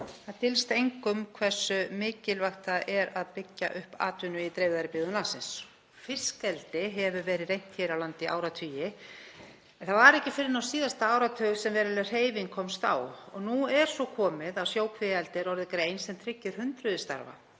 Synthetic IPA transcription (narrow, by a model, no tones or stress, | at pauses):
θaðt̪ʰɪlst̪ejŋkʏmkʰvɛ̥sːʏmɪːcɪlvaxt̪aʔɛɾaðpɪcːa̰ʔʏhpa̰ːt̪ʏnʏit̪ɾejvðaɾɪpɪːðʏnlasɪns | fɪ̥skɛlt̪ɪɦɛvʏvɛːɾɪðrejn̥t̪ʰçɛɾawlant̪ɪʔa̰ːwɾat̪ʰyːjɪ | ɛnθaðvaɾɛhcɪfɪɾɪɾnawsiːðast̪aaːwɾat̪ʰœɣsɛmvɛːɾɪlɛr̥heːjvɪŋkʰɔmst̪a̰wɔ̰ɣnuɛɾ̥sɔkʰɔːmɪðawsjoːwkʰvɪjalt̪ɪɾɔɾðɪkɾeːjnsɛmt̪ʰɾɪcːɪɾ̥hʏnt̪ɾʏðɪst̪a̰ɾva̰